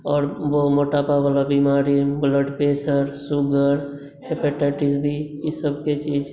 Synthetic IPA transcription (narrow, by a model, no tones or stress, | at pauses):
ɔːɾʋomoʈapabalabimaɾibləɖpesəɾsuɡəɾ | hepeʈɛʈisbʱijisəbket͡ʃid͡ʒ